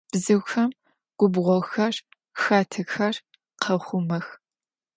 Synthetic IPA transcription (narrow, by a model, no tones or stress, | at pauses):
b̥zɨwxɐm | ɡ̥ʷʊbʁʷɔxɐr | xaːtʰɐxɐr | qʰɐχʷʊmɐx